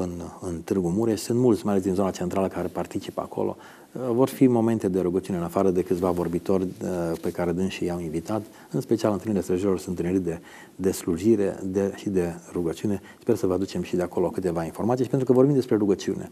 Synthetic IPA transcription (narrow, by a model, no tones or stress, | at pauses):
ɨnɨnt̪ɨrɡumuɾeʃsunt̪mult̪sʲmajale̞sd̪inzo̞nat͡ʃe̞nt̪ɾaləkaɾe̞part̪it͡ʃipəa̰kʰo̰lʔo̰ | vo̞rfimo̞me̞nt̪e̞d̪e̞ɾuɡətt͡ʃiuneɨnafaɾəd̪e̞kɨt̪sʲvavo̞rbit̪o̞rʲpe̞kaɾe̞d̪ɨnʃijaminvit̪at̪ | ɨnspet͡ʃialɨnɨlniɾilest̪ɾəʒiɾilo̞rsunt̪ɾniɾid̪e̞ | d̪e̞sluʒiɾe̞̰d̪eʃid̪e̞ɾuɡət͡ʃiune̞ | spe̞rsəvəad̪ut͡ʃe̞mʃid̪e̞ako̞lo̞kɨt̪e̞vainfo̞rmat̪sijʃipent̪ɾukəvorbimd̪e̞spɾe̞ɾuɡət͡ʃiune̞̰